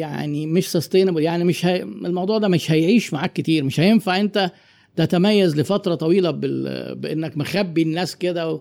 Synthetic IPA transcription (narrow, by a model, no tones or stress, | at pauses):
ja̰ʕnimeʃsɑst̪eːneboljaʕnimeʃhæelmɑwd̪ˤuːʕd̪æmeʃhæjʕiːʃmaʕaːkːet̪iːɾmeʃhæjenfaʕʔent̪æ | t̪æt̪æmæjːæzlefɑt̪ɾˤɑt̪ˤɑwiːlæbḛbeʔenːækmexæbːinːæːsked̪æwe